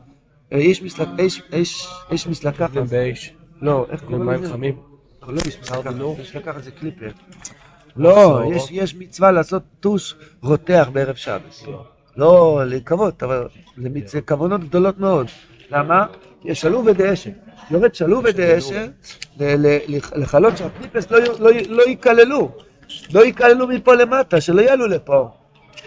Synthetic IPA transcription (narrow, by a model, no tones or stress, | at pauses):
jɛʃmislaeʃeʃeʃmislakaieʃlo̞ʔeχiamim | lojɛʃmislkajɛʃlakaχazeklipeʁ | lo̞jɛʃjɛʃmit͡svalaːso̞t̪ːuʃʁot̪eaχbeeʁevʃa̰bes | lo̞lekavo̞t̪aval | lemit͡sekavono̞t̪ɡ̚d̪o̞lo̞t̪meo̞d̪ | lama | kjeʃaluved̪eeʃejoʁed̪ʃaluved̪eeʃeleleleleχalo̞t̪ʃeaklipeslololoikalelu | lo̞ikale̞lumipo̞le̞mat̪aʃe̞lo̞jalulepo̞